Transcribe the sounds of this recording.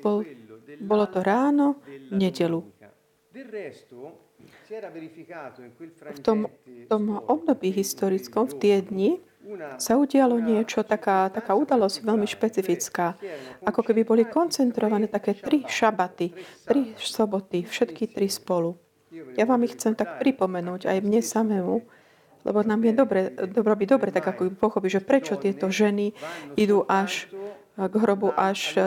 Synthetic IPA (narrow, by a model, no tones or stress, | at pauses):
bɔlbɔlɔt̪ɔɾaːnɔvɲɛɟɛlu | ft̪ɔmt̪ɔmɔbd̪ɔbiːɦist̪ɔɾit͡skɔmft̪ɪɛd̪ɲi | sauɟɪalɔɲɪɛt͡ʃɔt̪akaːt̪akaːud̪alɔzcʋɛʎmiʃpɛt͡sifit͡skaːakɔkɛbibɔlikɔnt͡sɛnt̪ɾɔʋanɛːt̪akɛːt̪ɾiʃabat̪it̪ɾisɔbɔt̪ifʃɛt̪kit̪ɾispɔlu | jaʋaːmixt͡sɛmt̪akpɾipɔmɛnuːɟa̰jmɲɛsamɛmu | lɛ̰bɔnamjɛd̪ɔbɾɛd̪ɔɾɔbid̪ɔbɾɛt̪aɡakɔkɛbipɔxɔpiːʒɛpɾɛt͡ʃɔt̪ɪɛt̪ɔʒɛniid̪uːʔaʃ | ɡɦɾɔbuʔaʃ